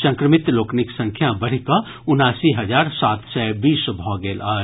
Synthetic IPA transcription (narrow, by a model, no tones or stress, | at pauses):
sə̃ŋkɾəmɪt̪loːknɪksɐ̃ŋkʰjabɐɽ̤ika | ʊnaːsiɦɐd͡ʒaːɾsaːt̪sɛbiːsbʱɔːɡeːlaː